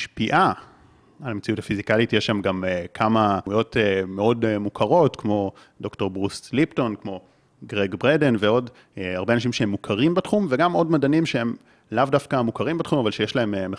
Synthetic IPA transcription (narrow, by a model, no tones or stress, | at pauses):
ʃpiʔa | almet͡siuthafizikajitjeʃamɡamekʰamaujo̞tmeo̞dmukʰaʁo̞tkmo̞ | do̞kto̞ʁbʁuslipto̞nkmo̞ | ɡʁeɡbʁede̞nveo̞d | aʁbeanaʃ̬imʃehemːukʰaʁimbatχumveɡamo̞dmadanimʃehe̞m | lavdafkamukaʁimbatχumavalʃejeʃlae̞mme